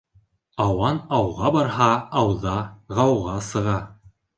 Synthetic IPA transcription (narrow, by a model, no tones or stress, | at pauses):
ɑwɑnɑwʁɑbɑɾɦɑɑwðɑʁɑwʁɑsɤ̆ʁɑ